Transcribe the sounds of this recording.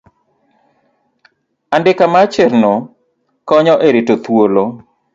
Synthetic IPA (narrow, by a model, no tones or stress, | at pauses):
andɪkamat͡ʃeɾno | kɔɲɔʔeɾitot̪wolo